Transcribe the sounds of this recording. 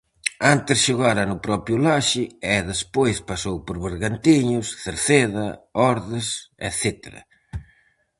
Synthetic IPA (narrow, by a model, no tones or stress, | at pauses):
ant̪ɪsʃoɣaɾɐnʊpɾɔpjʊlaʃɪɛðespojspasowpoɾβeɾɣant̪iɲʊsθeɾθeðɐɔɾðɪsɛ̰θet̪ḛɾɐ̰